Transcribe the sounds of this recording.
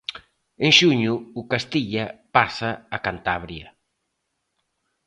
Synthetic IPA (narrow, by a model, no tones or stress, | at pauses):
eŋʃuɲuːkast̪iʎapasaːkant̪aβɾjɐ